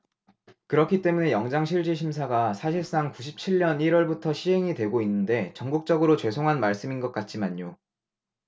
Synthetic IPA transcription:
kɯɾʌkʰit͈e̞mune̞jʌŋd͡ʑaŋɕʰiɭd͡ʑiɕ̬ʰimsʰaɡasʰaɕ̬ʰiɭs͈aŋkuɕ̬ʰip̚t͡ɕʰiɭːʌniɾwʌɭbutʰʌɕʰiɦe̞ŋidwe̞ɡoinːɯnde̞t͡ɕʌŋɡuk̚t͡ɕ͈ʌɡɯɾot͡ɕwe̞sʰoŋɦanmaɭs͈ɯminɡʌk͈at̚t͡ɕ͈imaɲo

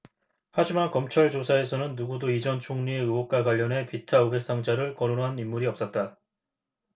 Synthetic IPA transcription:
had͡ʑimankʌmt͡ɕʰaɭd͡ʑosʰae̞sʰʌnɯnːuɡudoid͡ʑʌnt͡ɕʰoŋɲieɯwok̚k͈aɡwaʎːʌnɦe̞pitʰauɡe̞k̚s͈aŋd͡ʑaɾɯɭkʌɾonɦanimːuɾiʌp̚s͈ʌt̚t͈a

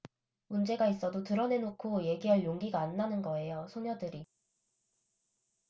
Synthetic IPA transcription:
mund͡ʑe̞ɡais͈ʌdotɯɾʌne̞nokʰoje̞ɡiɦaɭjoŋɡiɡaːnːanɯnɡʌe̞josʰoɲjʌdɯɾi

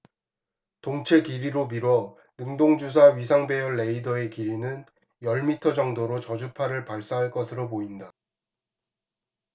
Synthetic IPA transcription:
toŋt͡ɕʰe̞kiɾiɾomiɾwʌ | nɯŋdoŋd͡ʑus̬ʰaɥisʰaŋbe̞jʌɭːe̞idʌe̞kiɾinɯn | jʌɭmitʰʌd͡ʑʌŋdoɾot͡ɕʌd͡ʑupʰaɾɯɭpaɭs͈aɦaɭk͈ʌsʰɯɾopoinda

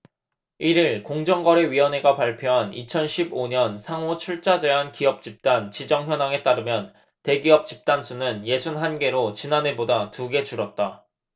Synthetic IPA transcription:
iɾiɭkoŋd͡ʑʌŋɡʌɾe̞ɥiʌne̞ɡapaɭpʰjoɦanḭt͡ɕʰʌnɕʰiboɲʌnsʰaŋot͡ɕʰuɭt͡ɕ͈ad͡ʑe̞ɦankiʌp̚t͡ɕ͈ip̚t͈ant͡ɕid͡ʑʌŋçjʌnaŋe̞t͈aɾɯmjʌn | te̞ɡiʌp̚t͡ɕ͈i̥p̚t͈ansʰunɯnje̞sʰunɦanɡe̞ɾot͡ɕinanebodatuɡe̞t͡ɕuɾʌt̚t͈a

